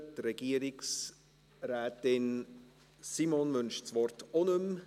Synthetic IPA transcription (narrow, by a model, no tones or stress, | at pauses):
tɾɛɡ̥iːəɾɪks | ɾɛːtɪn | simonmʏnʃt͡sʋɔrtonm